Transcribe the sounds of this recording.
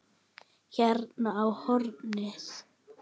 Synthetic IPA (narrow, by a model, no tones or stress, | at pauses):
çɛɾnaawhɔɾnɪs